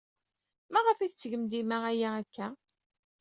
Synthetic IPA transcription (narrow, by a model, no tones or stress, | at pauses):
mæʁəfiθt͡sːʝəmd̪imæʁæjæækːæ